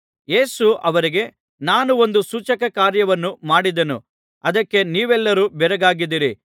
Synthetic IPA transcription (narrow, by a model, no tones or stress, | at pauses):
je̞ːsuʔɐʋɐɾiɡe̞ | naːnuo̞nd̪usuːt͡ʃɐkɐkaːɾjɐʋɐnːumaːɽid̪ɐnṵ | ɐd̪ɐkːe̞niːʋɛlːɐɾuːbɛɾɐɡaːɡid̪iɾi